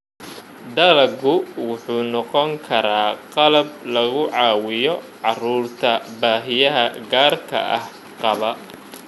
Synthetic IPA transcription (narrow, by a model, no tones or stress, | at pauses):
d̪ɐlɐɡʊwʊħuːnɔqɔŋkʰɐɾaːqɑlɐb̚lɐɣʊʕɑːwɪjɔ | ʕɑruːrt̪ʰɐbaːɦɪjɐɦɐɡaːrkʰɐ̰ʔɐh | qɑβɐ